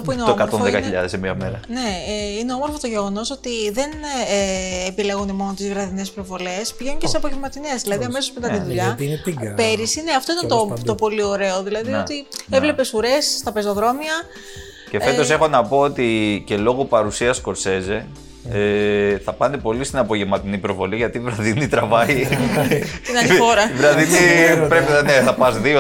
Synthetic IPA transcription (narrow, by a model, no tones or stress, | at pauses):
t̪opuineoomkɐtɾonðekɐçiʎɐðesemiɐme̞̰ɾɐ̰ne̞ineoomo̞ɾfo̞t̪oʝe̞ɣo̞no̞so̞t̪iðe̞nː | pile̞ɣunimo̞not̪izɣɾɐðine̞spɾo̞vo̞le̞spiʝenunceseɐpo̞ʝemɐt̪ine̞zðilɐðiɐme̞sospend̪ɐt̪iðuʎɐipe̞ɾisine̞ɐft̪o̞it̪ɐnt̪ot̪opo̞lio̞ɾe̞oðilɐðiot̪ievle̞pe̞suɾe̞sːt̪ɐpezo̞ðɾo̞miɐ | cee̞t̪o̞se̞xo̞nɐpo̞ot̪ice̞lo̞ɣopɐɾusiɐsko̞ɾse̞ze̞ | eθɐpɐnd̪epo̞list̪inɐpo̞ʝemɐt̪inipɾo̞vo̞liʝɐt̪iːvɾɐðinit̪ɾɐvɐi | t̪inɐnfoɾɐivɾɐðinipɾepineθɐpɐzðio